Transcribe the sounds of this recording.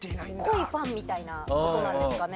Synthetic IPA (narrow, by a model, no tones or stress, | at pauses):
t̪enaikʰoiɸãmːmʲit̪ainaoonãdeskane